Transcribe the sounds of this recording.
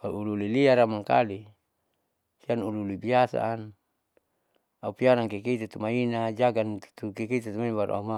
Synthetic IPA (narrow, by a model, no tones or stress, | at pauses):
auululiliaɾamaŋka̰li | sianululibiasa̰ːn | aupiaɾaŋkekit̪ut̪umainad͡ʒaɡant̪u̥t̪ukekit̪ut̪umaibaɾṵʔa̰uma